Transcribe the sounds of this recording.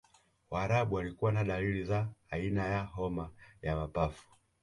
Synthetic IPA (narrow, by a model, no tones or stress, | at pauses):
waːɾaɓuwalikuwanaɗalilizaːinajaɦɔmajamapafu̥